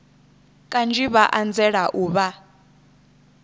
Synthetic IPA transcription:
kʼand͡ʒʼiβaʔand͡zɛɺaʔuːβa

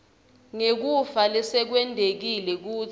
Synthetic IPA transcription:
ŋek̬ufalɛsɛk̬wɛndʱek̬ilɛk̬uː

